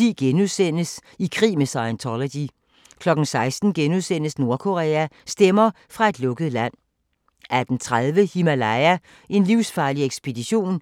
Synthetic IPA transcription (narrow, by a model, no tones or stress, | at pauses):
ḭːɡ̥enuðˠsen̰əsikʰʁḭːmesɑ̈ɪnt͡sʰɒlæd̥i | kʰlɒ̽ɡ̥n̩sɑ̈ɪsd̥n̩ɡ̥enuðˠsen̰əsno̝ɐkʰo̝ʁɛ̰ːæsd̥emɐ | fʁɑ̈e̝d̥lɔ̽ɡ̥əð̞̩ˠlæn̰ | æd̥ent͡sʰʁaðˠʋəhimælæɪæ | e̝nliʊsfɑ̈ːlieɡ̥sb̥e̝d̥iɕo̝̰ːn